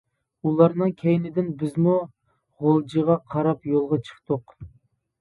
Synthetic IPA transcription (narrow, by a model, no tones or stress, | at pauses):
ulˠɑɾnɨŋkʲʰɛjnɪd̪ɪnbɪzmu | ʁolˠd͡ʒiʁɑqʰɑɾɑpjolˠʁɑt͡ʃʰə̥χt̪ʰʊq